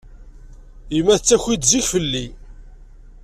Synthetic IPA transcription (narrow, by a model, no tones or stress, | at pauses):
imːæθət͡sːæçid̪ziçfəlːi